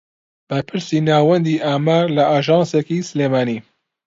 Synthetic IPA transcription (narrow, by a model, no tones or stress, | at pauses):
b̥ɐɾpʰɨɾsinaːwɐnd̪iʔaːmaːɾlɐaːʒɑːnsekisɨleːmaːni